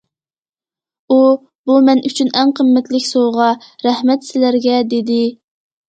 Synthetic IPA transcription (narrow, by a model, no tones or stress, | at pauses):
u | bumɛnʔyt͡ʃʰynɛŋqʰəmːɛt̪lɪkʲsoʁɑɾɛhmɛt̪sɪlæɾɡʲɛd̪ed̪ɪ